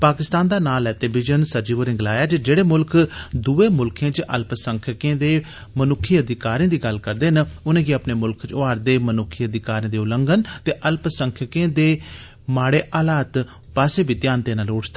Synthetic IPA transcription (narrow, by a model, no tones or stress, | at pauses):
paːkɪst̪aːnd̪aːnaːlɛːt̪eːbɪd͡ʒənsəd͡ʒiːʋəɾɪ̃ŋɡlaːjaːt͡ʃed͡ʒeːɽeːmʊlkd̪uːeːmʊlkʰãːt͡ʃʔə̰lpsəŋkʰəkẽːd̪eː | mənʊkʰːiːəd̪ɪkaːɾĩːd̪iːɡəlkəɾd̪eːɦnʊnẽːɡiəpneːmʊlkʰt͡ʃoaːɾd̪eːmənʊkʰːiːəd̪ɪkaːɾĩːd̪eːʊləŋɡənt̪eːʔəlpsəŋkʰəkẽːd̪eː | maːɽeːʔaːlaːt̪ | paːseːbiːt̪jaːnt̪eːnãːloːʈd̪e